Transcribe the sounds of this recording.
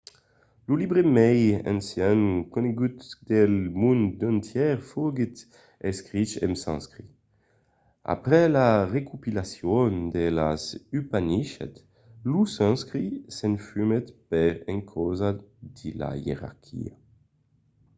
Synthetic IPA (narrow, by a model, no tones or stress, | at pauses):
lulibʁemɛjɛ̰̃nsjɛ̃nkɔneɡyt̪d̪ɛlmũnd̪ɔ̃nt̪jɛʁfoɡit̪ | ɛskʁit͡ʃɛ̰msɑ̰̃skʁi | a̰pʁɛlaʁekupilasjond̪elasypaniʃɛ̰t̪ | lusɑ̃skʁisɛ̃nfymɛt̪pɛʁɛ̃ŋkʰozad̪ila̰jḛʁa̰ʁkʲʰḭa̰